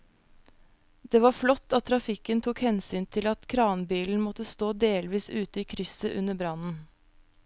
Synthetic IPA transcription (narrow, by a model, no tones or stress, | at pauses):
d̪̥eːʋɑːflɔt̪ːɑt̪t̪ʰːɾɑfɪkənt̪ʰʊkhɛnsyːnt̪ʰɪlɑt̪kʰɾɑːnbiːln̩mɔt̪əst̪oːd̪eːlʋiːsʉːt̪əiːkʰɾʏsəʔʉnəbɾɑnn̩